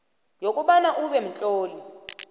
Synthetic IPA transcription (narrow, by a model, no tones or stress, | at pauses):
jokʼuɓanaʔuɓɛm̩t͡ɬʼoːli